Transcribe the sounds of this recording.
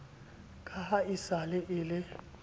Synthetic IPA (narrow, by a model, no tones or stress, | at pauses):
kʼahaisalɪʔɪlɪ